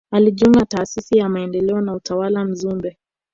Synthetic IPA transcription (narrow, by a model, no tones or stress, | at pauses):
aliʄuŋɡataːsisijamaɛndɛlɛɔnautawalam̩zumbɛ